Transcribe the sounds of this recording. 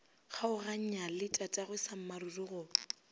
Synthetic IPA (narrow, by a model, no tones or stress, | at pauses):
χaʊraɲ̩ɲalɪtʼatʼaɣwɪsam̩marurʊɣʊ